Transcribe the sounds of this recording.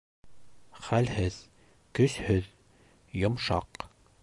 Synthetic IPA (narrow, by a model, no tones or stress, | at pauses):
χælhɘð | kɵshɵð | jŏmʃɑ̰q